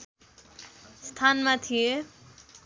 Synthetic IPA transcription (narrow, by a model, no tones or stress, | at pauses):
st̪ʰanmat̪ʰije